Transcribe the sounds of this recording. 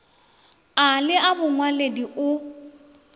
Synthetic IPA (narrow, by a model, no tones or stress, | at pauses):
alɪabʊŋwalediʔʊ